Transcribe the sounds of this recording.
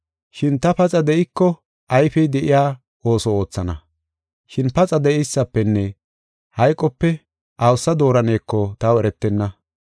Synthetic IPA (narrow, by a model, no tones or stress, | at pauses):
ʃɪnt̪ɐpɐt͡sʼɐd̪ɛʔɪkːɔ | ʔɐjfɛjd̪ɛʔɪjaː | o̞ːsɔo̞ːt͡sːɐnɐ̰ | ʃɪnpɐt͡sʼɐd̪ɛʔɛjsːɐpːɛnːɛ | hɐjkʼɔpːɛ | ʔɐwsɐd̪o̞ːɾɐne̞ːkːɔt̪awɛɾɛt̪ːɛnːɐ